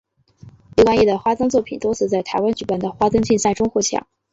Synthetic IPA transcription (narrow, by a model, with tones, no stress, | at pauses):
li˥˩kwa˥nji˥˩d̪ə˩xwa˥t̪ɤ˥ŋt͡swɔ˥˩pʰi˨˩nt̪wo˥ʊt͡sʰɹ̩˥˩t͡sa˥˩ɪt̪ʰa˧˥ɪwa˥nt͡ɕy˨˩pa˥˩nd̪ə˩xwa˥t̪ɤ˥ŋt͡ɕi˥˧nsa˥˩ɪʈ͡ʂʊ˥ŋxwɔ˥˩t͡ɕʰjɑ̰˨˩˦ŋ